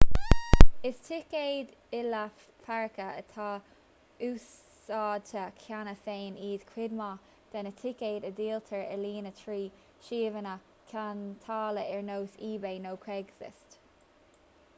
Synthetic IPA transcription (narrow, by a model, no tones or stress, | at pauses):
ɪst̪ʰɪkeːd̪ | ɪlə | faɹɪkəət̪ʰɑː | uːs | ɑːt̪ʰəkʰanəθeːniːd̪kʰɹɪd̪mɑ | d̪̥ɛnətʰɪkeːdəd̪iːlt̪ʰəɹəliːnət̪ʰɹiː | ʃiːvənə | kʰant̪ʰɑːləɛɹnoːsiːbeːnoːkʰɹɛɡsɪ̰st